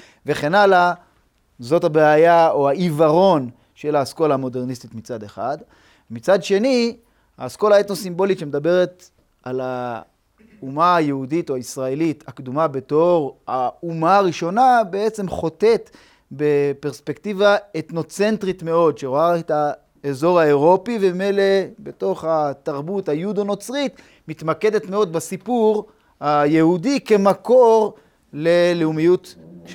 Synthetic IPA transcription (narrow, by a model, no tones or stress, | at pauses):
ve̞χe̞nala | zo̞tabeajaoaivaʁo̞n | ʃe̞laːsko̞laamo̞de̞ʁnist̪itmit͡sade̞χad | mit͡sadʃe̞ni | a̰ːsko̞laet̪nosimbo̞litʃemed̪abe̞ʁe̞t | ala | umaːjehuditoaisʁaelitakd̪umabe̞to̞ʁaumaːʁiʃo̞nabeet͡se̞mχo̞te̞t̪ | bepeʁspektivaet̪no̞t͡se̞ntʁitme̞o̞dʃeʁoaeta | ezo̞ʁhae̞ʁo̞pivemimejlebe̞to̞χat̪aʁbuthajud̪ono̞t͡sʁit̪ | mit̪make̞d̪etme̞o̞d̪̚basipuʁ | hajehudike̞mako̞ʁ | le̞leumijut